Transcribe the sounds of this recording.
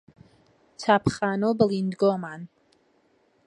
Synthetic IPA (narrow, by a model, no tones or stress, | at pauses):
t͡sʰapʰχaːnobəlind̪ɡɔman